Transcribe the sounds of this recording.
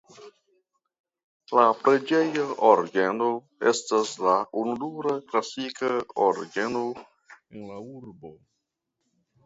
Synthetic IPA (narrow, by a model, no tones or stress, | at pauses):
lapɾe̞d͡ʒe̞joʔoɾɡeno | e̞̰staslaʔunuduɾaklasikaoɾɡeno | enlauɾbo